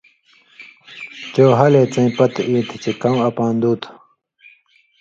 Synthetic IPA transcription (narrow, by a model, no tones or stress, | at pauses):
t͡ɕoːɦɐleːt͡sɐ̃ĩpɐt̪iːt̪ʰt͡ɕekɐwɐpãːnd̪uːt̪ʰ